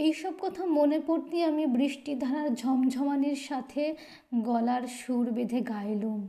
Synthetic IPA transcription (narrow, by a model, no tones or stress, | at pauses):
ejʃɔb̚kɔt̪ʰamonepoɾt̪iamibɾiʃʈid̪ʱaɾaɾd͡ʑʱɔmd͡ʑʱɔmaniɾʃat̪ʰe | ɡɔlaɾʃuɾbed̪ʱeɡajlum